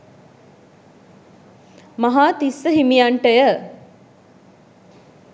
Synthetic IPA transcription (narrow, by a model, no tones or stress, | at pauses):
mɐɦaːt̪isːəɦimijaɳʈəjə